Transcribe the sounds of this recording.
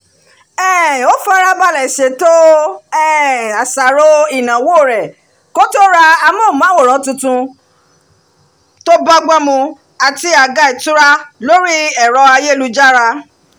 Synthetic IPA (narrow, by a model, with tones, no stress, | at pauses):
ɛ˦˨o˦fa˦ɾa˦ba˦˨la˨i˨ʃe˨to˦ɛ˦˨a˨sa˨ɾo˧i˦˨nã˨wo˦˨ɾɛ˨ | ko˦to˦ɾa˧a˧mɔ̃˦˨mã˨˦wo˦˨ɾ̃ɔ̃˨˦tũ˧tũ˧ | to˦ba˦ɡ͡ba˦mũ˧ | a˨ti˧a˨ɡa˦i˨tu˦ɾa˦lo˦ɾi˦ɛ˨ɾɔ˧a˧je˦˨lu˧d͡ʒa˦ɾa˧